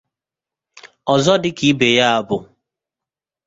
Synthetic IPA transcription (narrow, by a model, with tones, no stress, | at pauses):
ɔ˨zɔ˦dɪ˦ki˦be˨ja˦a˦bʊ˦˨